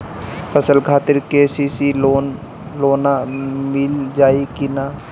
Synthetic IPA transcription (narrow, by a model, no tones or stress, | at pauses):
fʰəsəlkʰaːt̪ɪɾkesiːsion | loːnamɪld͡ʒaːikinaː